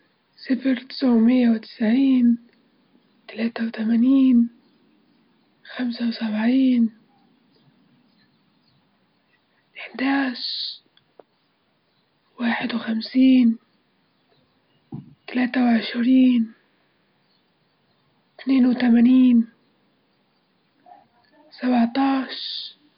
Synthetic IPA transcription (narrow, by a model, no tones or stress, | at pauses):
sɪfɾt̪ɪ̥sʕʊmɪjːawt̪ɪ̥sʕiːn | t̪alaːt̪awt̪amaːniːn | xamsawsabʕiːn | ʔɪħd̪aːs | waːħɪd̪wɪxamsiːn | t̪alaːt̪awʕɪʃɾiːn | t̪neːnwt̪amaːniːn | sabʕt̪ˤɑːʃ